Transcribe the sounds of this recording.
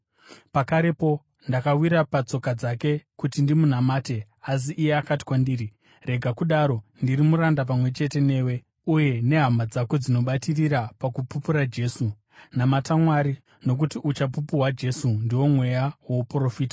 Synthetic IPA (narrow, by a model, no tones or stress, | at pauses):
pakaɾe̞po̞ | ndakawiɾapat͡so̞kad͡zake̞kutindimun̤amaːte̞ | as̬iʔːjeakati̥kwandiːɾi | re̞ɡʱakuɗaɾo̞ndiɾimuɾandap̬amwe̞t͡ʃe̞te̞ne̞ːwe | uje̞ne̞ɦamad͡zako̞d͡zino̞ɓatiriɾapakupupuɾad͡ʒe̞su | namatamwaɾi | no̞k̬utiʔut͡ʃapupuɦwad͡ʒe̞sundiwo̞mwe̞jawo̞pro̞fiːtḁ